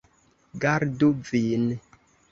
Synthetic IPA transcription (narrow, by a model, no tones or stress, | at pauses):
ɡaɾduvin